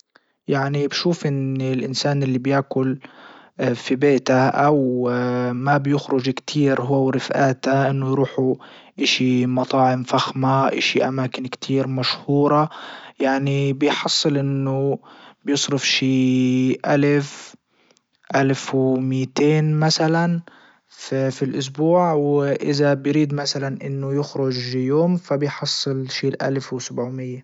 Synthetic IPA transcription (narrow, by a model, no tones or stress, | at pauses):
jaʕnibʃuːfʔɪnɪlʔɪnsaːnʔɪlːibjaːkʊl | fibeːt̪aʔaw | mabjʊxɾʊd͡ʒkt̪ʰiːɾɦʊawɾɪfʔaːt̪aʔɪnːʊjɾuːħu | ʔɪʃimɑt̪ˤɑːʕɪmfaxmaʔɪ̰ʃiʔamaːkɪnkt̪ʰiːɾmaʃhuːɾˤɑjaʕnibɪjħɑsˤːɨlʔɪnːʊbjɨsˤɾɪfʃiːʔalf | ʔalfwmiːt̪eːnmasalan | ffilʔʊs̬buːʕwʔɪ̰zabɪjɾiːd̪masalanʔɪnːʊjɪxɾʊd͡ʒjoːmfabɪjħɑsˤːɨlʃiːlʔa̰lfwsabʕumɪjːa